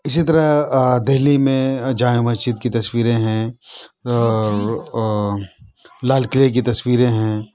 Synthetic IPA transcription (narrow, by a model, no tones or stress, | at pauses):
ɪs̬it̪ɐɾad̪eɦlimẽd͡ʒaːjõmɐdt͡ʃiːt̪̚kit̪ɐswiːɾẽɦɛ̃ | ɔːɾ | laːlkɪlek̬it̪ɐswiːɾẽɦɛ̃ː